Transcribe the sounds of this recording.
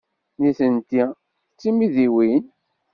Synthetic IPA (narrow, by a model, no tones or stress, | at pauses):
niθənt̪i | t͡sːimiðiwin